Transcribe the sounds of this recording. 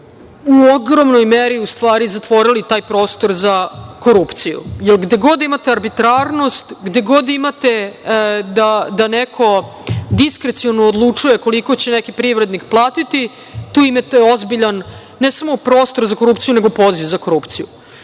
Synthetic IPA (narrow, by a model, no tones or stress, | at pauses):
uoɡɾomnojmeɾiust̪ʋaːɾizat̪ʋo̞ɾilit̪aːjpɾo̞ːst̪o̞ɾzako̞ɾupt̪sijṵjelɡd̪e̞ɡo̞d̪imat̪eaɾbit̪ɾaːɾno̞st̪ɡd̪e̞ɡo̞d̪imat̪e | d̪ad̪anekʰo̞ | d̪iskɾet̪sionoːd̪lˠut͡ʂuje̞ko̞liko̞t͡ɕenekipɾiʋɾe̞d̪nikplˠaːt̪it̪i | t̪uːimet̪eozbiʎanː | esamo̞pɾo̞ːst̪o̞ɾzako̞ɾupt̪ijuneɡopo̞ziʋzako̞ɾupt̪sijṵ